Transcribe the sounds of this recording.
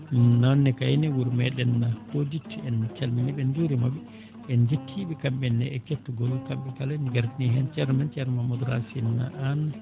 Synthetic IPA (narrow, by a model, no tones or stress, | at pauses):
nanːɛkajnɛwuɾmɛɗɛnːahoditɛnt͡ʃalminiɓɛnd͡ʒuɾimabi | ɛnd͡ʒetʰːiɓɛkamɓɛnːɛɛketːuɡɔlɔkamɓɛkalaniɡaɾtiniɦɛnt͡ʃɛɾmant͡ʃɛɾmamɔdɾa̰sinːa̰ʔan